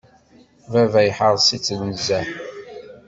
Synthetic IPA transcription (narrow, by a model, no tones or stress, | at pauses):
vævæjħəɾˤsit͡sːnəzæ